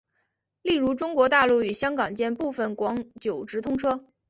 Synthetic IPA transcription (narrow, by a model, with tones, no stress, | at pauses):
li˥˩ɻu˧˥ʈ͡ʂʊ˥ŋkwɔ˧˥t̪a˥˧lu˥˩y˨˩ɕjɑ˥ŋkɑ˨˩ŋt͡ɕjɛ˥˧npu˥˩fə˩nkwɑ˧˥ŋt͡ɕjo˨˩ʊʈ͡ʂɻ̩˧˥t̪ʰʊ˥ŋʈ͡ʂʰɤ˥